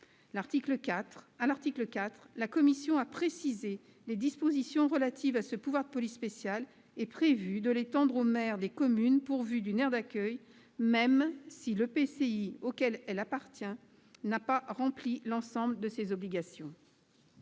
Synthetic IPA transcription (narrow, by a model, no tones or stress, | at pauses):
laʁt̪ikləkat̪χalaʁt̪ikləkat̪χlakɔmisjɔ̃apχesize | led̪ispozisjɔ̃ʁəlat̪ʰivasəpuvwaʁd̪əpɔlisːpesjal | ɛpχevyd̪əlet̪ɑ̃d̪ʁomɛʁd̪ekɔmynpuʁvyd̪ynɛʁd̪akʲœj | mɛmsiləpeseiokʲɛlɛlapaʁt̪jɛ̃ | napaʁɑ̃plilɑ̃sɑ̃bld̪əsezɔbliɡasjɔ̃